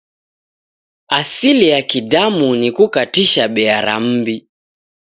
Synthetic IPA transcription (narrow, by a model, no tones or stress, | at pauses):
asilijakidamunikukatiʃaɓɛaɾa̰m̩bi